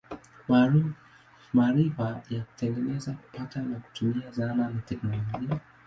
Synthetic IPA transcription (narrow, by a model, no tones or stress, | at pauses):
a | maɾifajaku̥tɛŋɡɛnɛzaku̥pʰatanaku̥tumiazananatɛknɔlɔʄɡia